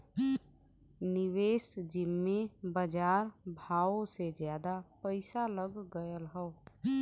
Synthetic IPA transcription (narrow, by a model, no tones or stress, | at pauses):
niwesd͡ʒimːebəd͡ʒaːɾbʱaosed͡ʒjad̪apəɪsaləɡːəjəlɦəʊ